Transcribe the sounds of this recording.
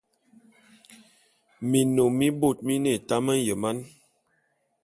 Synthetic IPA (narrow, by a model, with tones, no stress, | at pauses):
mi˨no˨mi˦bo˦˨t̚mi˦ne˨ta˦mə˦n˦jə˨ma˦n